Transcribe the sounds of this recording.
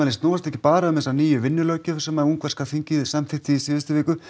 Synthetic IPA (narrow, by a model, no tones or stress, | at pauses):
alɪst̪nɔːvast̪ɛhcɪpaːɾaamɛsaniːjʏvɪnːʏlœːcʏ̥sɛmauŋkvɛɾskafiɲcɪsamθɪht̪iisɪːðɪst̪ɪvɪːkʏ